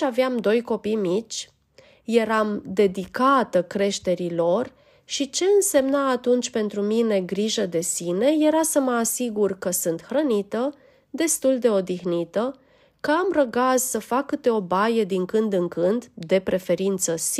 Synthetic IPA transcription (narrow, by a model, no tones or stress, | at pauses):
aveamd̪o̞jko̞pijmit͡ʃʲ | je̞ɾamd̪e̞d̪ikat̪əkɾe̞ʃt̪e̞ɾilo̞r | ʃit͡ʃe̞ɨnse̞mnaːt̪unt͡ʃʲpe̞nt̪ɾumine̞ɡɾiʒəd̪e̞sine̞je̞ɾasəməasiɡurkəsɨnt̪xɾənit̪ə | d̪e̞st̪uld̪e̞o̞d̪ixnit̪ə | kəamrəɡassəfakːɨt̪eo̞bajəd̪iŋkɨnd̪ɨŋkɨnd̪d̪e̞pɾʔe̞fe̞ɾint̪səs